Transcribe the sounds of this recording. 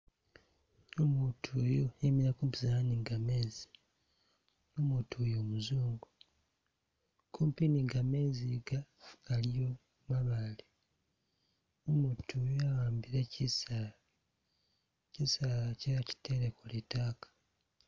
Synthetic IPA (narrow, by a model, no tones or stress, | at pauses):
nomuːtʰuojoemiɾakuːmpizaniŋɡame̞ːzi̥ | noːmuːtʰuojo̞ːmuzuːŋɡu | kʰoːmpiniŋɡame̞ːziɡaɡ̥alijo | maβale | nomuːtʰujoawaːmbiɾaisa | cisaaceaci̥teɾekoletaːkḁ